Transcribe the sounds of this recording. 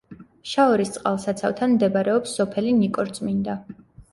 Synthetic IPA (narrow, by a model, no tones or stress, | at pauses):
ʃaɔɾist̪sʼqʼa̰lˠsat̪sʰavt̪ʰanmd̪ɛbaɾɛɔpsːɔpʰɛlinikʼɔɾt̪sʼmind̪a